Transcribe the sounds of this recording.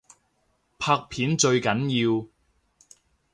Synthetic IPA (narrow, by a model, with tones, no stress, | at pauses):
pʰaː˧k̚pʰiː˨˥nt͡ʃɵ˧ɥkɐ˨˥njiː˧w